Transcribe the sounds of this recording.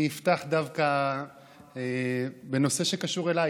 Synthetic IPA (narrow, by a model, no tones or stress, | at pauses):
ift̪aχd̪avka | ebe̞no̞se̞ʃekaʃuʁelaj